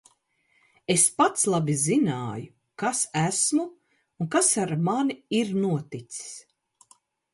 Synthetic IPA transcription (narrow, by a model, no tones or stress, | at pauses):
espat̪slˠabizinaːju | kasæsmu | uŋkasaɾmaniiɾnuɔt̪it̪si̥s